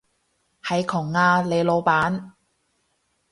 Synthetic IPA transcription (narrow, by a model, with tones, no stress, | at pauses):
hɐ˨˧jkʰʊ˨˩ŋːaː˧le˨˧lo˨˧wpaː˨˥n